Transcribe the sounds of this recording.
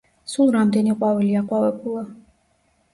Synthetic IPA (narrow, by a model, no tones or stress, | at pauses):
sulˠɾamd̪ɛniqʼwavɛliaqʼwavɛbulˠa